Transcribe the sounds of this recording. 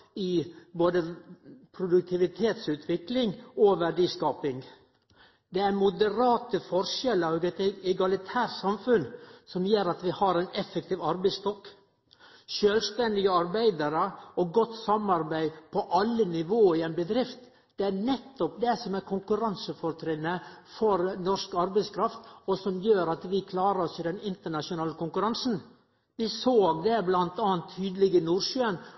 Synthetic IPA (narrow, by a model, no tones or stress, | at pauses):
ɪboːd̪əpʰɾʊd̪ʉk̚t̪ʰɪʋɪt̪ʰeːt̪sʉːt̪ʰʋɪklɪŋɔʋæɖiːskɑːpɪŋ | d̪ɛæɾmʊd̪əɾɑːt̪əfɔɾʂɛləɾɡɛt̪ɛɡɑlɪt̪ʰæːʈsɑmfʉnsɔmjøːɾɑt̪ʋɪhɑɾɛɪnɛfːɛk̚t̪ʰiːʋɑɾbæɪst̪ɔkː | ʃøːlst̪ɛnd̪ɪɡəɑɾbæɪd̪əɾəɔɡɔt̪sɑmɑɾbæɪpʰɔʔɑlːənɪʋoːɪɛnbəd̪ɾɪft̪ | d̪̥ɛæɾnɛt̪ːɔp̚d̪ɛsɔmæɾkʰʊŋkʉɾɑnsəfɔɾt̪ʰɾɪnːəfɔɾnɔʂkɑɾbæɪskʰɾɑft̪ɔsɔmjøːɾɑt̪ʋɪkʰlɑːɾəɾɔsɪd̪ɛnɪnt̪əɳɑʂʊnɑːləkʊŋkʉɾɑnsn̩ | ʋɪsoːɡd̪ɛblɑnt̪ɑːnt̪ʰːyːd̪əlɪɡənuːɾʂyːən